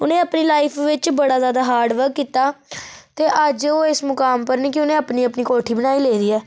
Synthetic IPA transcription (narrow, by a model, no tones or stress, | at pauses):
ʊnẽːəpniːlaːɪpʰʋɪt͡ʃbəɽaːzaːd̪aːɦaːɾɖʋəɾkːiːt̪aːt̪eːʔəd͡ʒoːɪsmʊkaːmpəɾniːkɪʊnẽːəpniːəpniːkoːʈʰiːbənaːiːleːɾiːɛː